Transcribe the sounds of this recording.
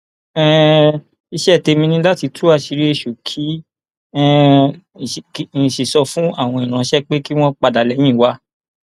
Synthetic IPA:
ɛ˦˨ | i˧ʃɛ˦˨te˧mĩ˧nĩ˧˦la˦ti˧tʰu˦a˧ʃi˧ɾi˦e˦˧˨ʃo˨kʰi˦ | ɛ˦˨˦ | ĩ˨ʃi˨sɔ˧fũ˦a˦˨w̃ɔ̃˧i˨ɾ̃ã˨˧˦ʃɛ˦k͡pe˦ki˦w̃ɔ̃˦k͡pa˧da˨lɛ˧˦j̃ĩ˦˨wa˦

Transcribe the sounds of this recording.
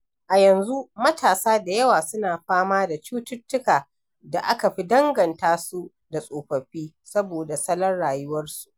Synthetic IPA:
ʔa˨jɐ˨nzu˦mɐ˦tʰaː˨saː˦da˨jɐ˦waː˨sʊ˦naː˨ɸaː˦maː˦da˨t͡ʃuː˦tʊ˦tːʊ˦kaː˨ | da˨ʔa˦ka˨ɸi˦dɐ˦ŋɡɐ˨ntaː˦su˦ | da˨sʼoː˨ɸɐ˨ɸiː˦ | sɐ˦boː˨da˨sɐ˦lɐ˦nɽaː˨jʊ˦wɐ˦rsu̥˨ʔ

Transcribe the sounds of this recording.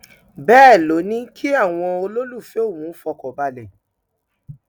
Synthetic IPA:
bɛː˦˨lo˨˦nĩ˦kʰi˦a˦˨w̃ɔ̃˧o˧lo˦lu˦˨fe˨˦o˦˨wũ˨˦fɔ˧kɔ˨ba˧lɛ˨

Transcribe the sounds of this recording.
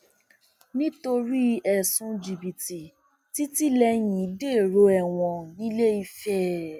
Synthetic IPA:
nĩ˦to˧ɾi˦ɛ˨sũ˧d͡ʒi˨bi˨ti˨ | ti˦ti˦lɛ˧jĩ˨i˦de˦˨ɾo˧˦ɛ˦˨w̃ɔ̃˧nĩ˦le˦i˧fɛ˦

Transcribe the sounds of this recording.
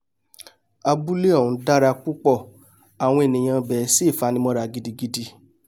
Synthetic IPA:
a˧bu˦le˦ɔ˦˨ũ˨˧da˦ɾa˧k͡pu˦k͡pɔ˦˨ | a˨w̃ɔ̃˧e˨nĩ˨j̃ã˧bɛ˨˦si˦˨fa˨˦nĩ˧mɔ̃˧ɾa˧˨ɡi˨˦di˧ɡi˦di˧

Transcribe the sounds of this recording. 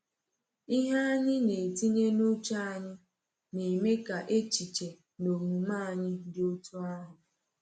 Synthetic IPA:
i˦ɦa˦a˦ɲɪ˦ne˨ti˦ɲe˦nu˦t͡ʃa˦a˦˨ɲɪ˦ | ne˨me˦ka˨ʔe˦t͡ʃi˨t͡ʃe˨ | no˨mu˨ma˦a˨ɲɪ˦dɪ˦o˦tu˦a˦ɦʊ˨

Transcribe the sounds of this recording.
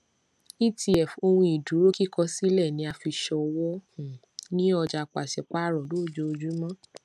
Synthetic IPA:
i˦˨ti˧ɛ˨fo˧hũ˧i˨dũ˨˦ɾo˦ki˦kʰɔ˧si˦lɛ˦˨nĩ˨˧˦a˧fi˧ʃɔ˧wɔ˦hũ˨ | nĩ˦ɔ˧d͡ʒa˧k͡pa˨ʃɛ˨k͡pa˦ɾɔ˨loː˦˨d͡ʒo˧˦o˧d͡ʒu˦mã˦

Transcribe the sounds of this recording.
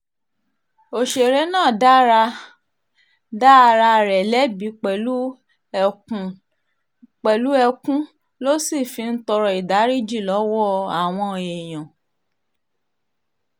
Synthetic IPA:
o˨ʃe˨ɾe˨˦nãː˦˨da˦ɾa˧ | da˦˧ɾa˧ɾɛ˨lɛ˨˦bi˨˦k͡pɛ˨lu˦˨ | k͡pɛ˨lu˦ɛ˧kũ˦ | lo˦si˦˨fi˧n̩˦tɔ˧ɾɔ˧i˨da˨˦ɾi˦d͡ʒi˦˨lɔ˨˦wɔ˦˧a˨w̃ɔ̃˧e˨j̃ɔ̃˨

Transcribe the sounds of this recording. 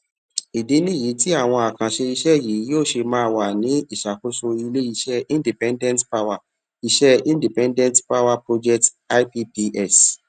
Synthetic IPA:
i˨de˨˦nĩ˦˨ji˨˦ti˦a˦˨w̃ɔ̃˧a˨kã˨ʃe˧i˧ʃɛ˦˨ji˨˦joː˦˨ʃe˧mãː˦˧wa˨nĩ˨˦i˦˨ʃa˨ko˨˦so˧i˧le˦i˧˦ʃɛ˦ĩ˦ndi˨pɛ̃˦ndɛ̃˦ntpa˧wa˨ | i˧ʃɛ˦ĩ˦ndi˨pɛ̃˦ndɛ̃˦ntpa˦wa˦˧pɾo˧d͡ʒɛ˦kt | a˦jpi˦pi˧ʔɛ˦˨s

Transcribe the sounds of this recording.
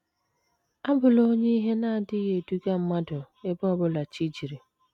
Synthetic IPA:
a˦bʊ˨lo˦ɲe˦i˦ɦe˦na˦a˨dɪ˦je˨du˦ɡa˦m̩˦ma˦dʊ˨ | e˦bɔ˦bʊ˦la˨t͡ʃi˦d͡ʒi˨ɾi˨

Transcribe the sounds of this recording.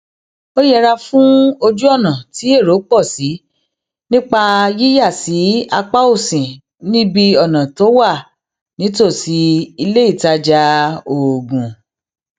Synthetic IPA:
o˦jɛ˦˧ɾa˧fũ˦o˧d͡ʒu˦ɔ˦˨nã˨ti˨˦e˦˨ɾo˨˦k͡pɔ˦˨si˨˦ | nĩ˦k͡pa˧ji˦ja˦˨si˨˦a˧k͡pa˦o˦˨sĩ˨ | nĩ˦bi˧ɔ˨nã˨to˨˦wa˦˨ | nĩ˨˦to˦˨si˨˦i˧le˦i˦˨ta˦d͡ʒa˧o˨ɡũ˨

